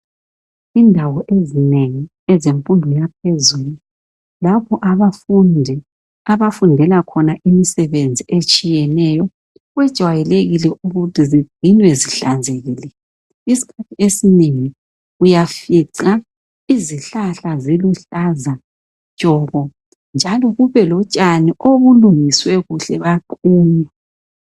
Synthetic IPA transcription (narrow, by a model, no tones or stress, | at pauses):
indʱawɔʔezineŋi | ɛzempʼunbʱɔjap̚ʰezuːlu | lapʰɔʔaβafundʱɛ | aβafundʱɛlakʰɔnaʔimisɛβend͡zʱiʔet͡ʃʼijɛnɛjɔ | ɣwɛd̥ʒ̥ʱwajɛleɣilɛʔuɣutʰiziɡ͡ǀ̥ʱinwɛziɬand͡zʱeɣiːlɛ | isi̥kʰatʰiesiniŋi | ujafiǀa | iziɬaɬaziluɬaza | t͡ʃʼɔɣɔ | nd͡ʒʱalɔɣuβɛlɔt͡ʃʼaniʔoβuluŋiswɛɣuɬɛβaǃʼuːɲa